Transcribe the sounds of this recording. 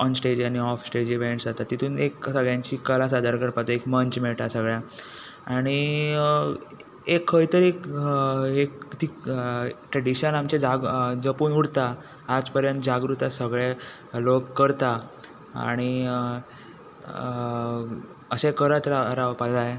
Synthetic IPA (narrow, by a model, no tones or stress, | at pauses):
ɔnsʈed͡ʑaniɔfsʈed͡ʑiʋeɳʈsd͡zat̪at̪ːit̪ʰuːneksəɡɭjãɲt͡ɕiːkːəlas̬ad̪ʱaɾkəɾpat͡səekməɲt͡ɕmeɭʈ̪asəɡɭja | aɽ̃i | ekʰːəjt̪əɾek | ekt̪i | ʈɾeɽiɕənamt͡ɕed͡zaɡd͡zəpuːnuɽt̪aː | d͡zpəɾjənt̪d͡ʑaɡɾut̪asəɡɭe | lokːəɾt̪a | a̰ɽ̃i | əsekəɾət̪ɾaɾaʋpad͡zae